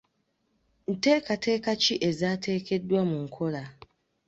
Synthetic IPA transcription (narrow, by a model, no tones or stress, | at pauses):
n̩tekatʰekat͡ʃiʔezaːtʰekedwamʊŋ̩kʰoɾa